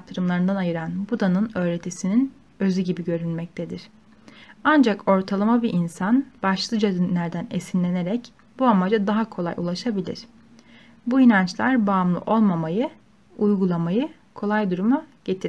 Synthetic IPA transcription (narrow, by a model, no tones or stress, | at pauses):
k̚t̪ʰɯɾɯmlˠaɾɯnd̪anajɯɾanbud̪anɯnø̞ːɾe̞t̪ʰisinin | ø̞zyɟibiɟø̞ɾynmɛc̚t̪ʰed̪iɾ̥ | and͡ʒako̞ɾt̪ʰalˠamabiʔinsanbaʃlˠɯd͡ʒad̪inlʲæɾd̪ænesinlʲe̞ne̞ɾɛc | b̥uamad͡ʒad̪aɦakʰo̞lˠa̰jṵlˠaʃabilʲḭɾ̥ | buinant͡ʃlˠaɾbaːmlˠɯ̰ʔo̞lˠmamajɯ | ujɡulˠamajɯ | kʰo̞lˠajd̪uɾumaɟ̥e̞t̪ʰi